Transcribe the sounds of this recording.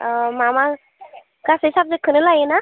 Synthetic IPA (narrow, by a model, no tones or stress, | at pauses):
mama | ɡasɦisab̚d͡zəkʰənəlajena